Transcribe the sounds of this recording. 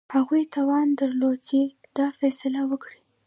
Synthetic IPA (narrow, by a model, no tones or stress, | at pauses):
haɣujt̪ɑwɑnd̪aɾlot͡si | d̪̥ɑfɛsɪlawəkɽi